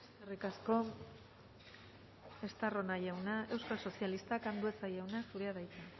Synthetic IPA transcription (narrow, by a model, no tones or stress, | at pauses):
eskerikasko̞ | e̞st̪aro̞naʝawnae̞wskalso̞sialist̪akand̪ue̞t͡sajawnasuɾeaðajt͡s̪a